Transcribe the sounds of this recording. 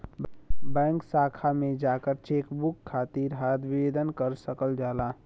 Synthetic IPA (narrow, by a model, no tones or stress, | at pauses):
bɛ̃ːŋksaːkʰamẽd͡ʒaːkəɾt͡ʃeːkbʊkʰːaːt̪iɾɦad̪ʋɪeːd̪ənkəɾsəkəld͡ʒaːlaː